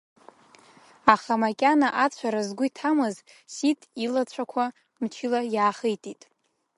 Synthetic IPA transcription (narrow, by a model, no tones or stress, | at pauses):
aχamakʲʼanaʔat͡ɕʷʰaɾazɡʷʊitʰamɨz | sitʼilat͡ɕʷʰakʷʰa | mt͡ʃʰilajaːχejtʼitʼ